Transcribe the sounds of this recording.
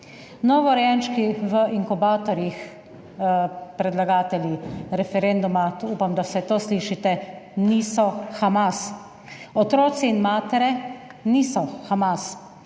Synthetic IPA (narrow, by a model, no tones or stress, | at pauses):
nɔʋɔɾjɛnʃkiʋəʔiŋkubaːt̪ɔɾjix | pɾɛd̪laɡaːt̪ɛljiɾɛfɛɾend̪umauːpamd̪awsɛt̪oːsliːʃit̪ɛnisɔxamas | ɔt̪ɾoːt̪sɛinmaːt̪ɛɾɛniːsɔxamas